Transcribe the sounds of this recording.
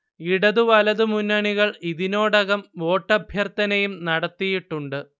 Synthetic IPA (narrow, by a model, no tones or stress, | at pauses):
iɽɐðuʋɐlɐðɨmunːɐɳiɣɐɭiðino̞ːɽɐɣɐmʋo̞ːʈːɐbʱjɐrt̪ɐnɐjumnɐɽɐt̪ːijiʈːuɳɖɨ